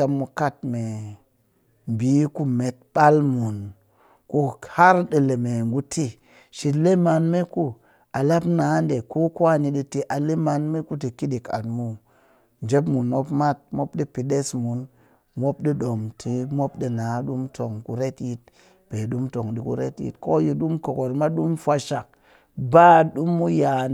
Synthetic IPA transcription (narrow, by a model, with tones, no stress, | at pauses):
a˧mːu˧ka˦t̚me˨ | m˨bi˨˦ku˦me˨t̚ɓ̥a˦lmu˨n | ku˦ha˦ɾɗə˨le˨me˨ŋɡu˦tʰi˦ | ʃi˨tle˦ma˧nme˦ku˦ | a˨la˦pnaː˨˦nde˨ko˦kʷa˦ni˨ɗi˧ti˦ʔa˨le˦ma˧nme˦ku˦ti˨ki˦ɗi˨ka̰˨tmu˦ | n˨d͡ʒe˦pmu˨no˦pma˦t̚mo˦p̚ɗi˦pi˨ɗe˦smu˨˦n | mʷo˦p̚ɗi˦ɗo˨mtʰi˨mʷo˦p̚ɗi˨na˨˦ɗu˦mtʰo˨ŋku˦ɾe˦tji˦t̚ | b̥e˨ɗu˦mto˨ŋɗi˨kṵ˨ɾḛ˦tjḭ˨tko˦ji˧ɗu˦mko˨ko˨ɾma˦ɗu˦mfʷa˧ʃa˨k̚ | ba˦˨ɗu˦mːu˦ja˨